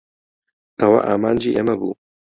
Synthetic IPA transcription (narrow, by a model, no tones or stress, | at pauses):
tɐwa̰ʔaːmaːnd͡ʒiʔemɐbuː